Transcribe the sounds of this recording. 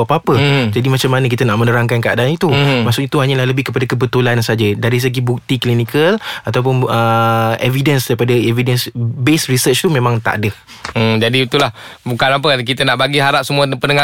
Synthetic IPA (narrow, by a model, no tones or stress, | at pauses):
apaapəd͡ʒadimat͡ʃamːanək̬it̪ənaʔmənəɾaŋkankəa̰danit̪umaʔsʊkit̪uɦaɲalahləbɪhkəpadakəbət̪ulansad͡ʒədaɾis̬əɡibuk̚t̪iklinikəlat̪awp̬ʊnəevidənsdaɾipadəevidənsbesrisət͡ʃt̪umẽmãŋt̪a̰ʔdə | m̩d͡ʒadit̪ulahbukanap̬əkit̪ənaʔbaɡiɦaɾap̚səmuapənəŋa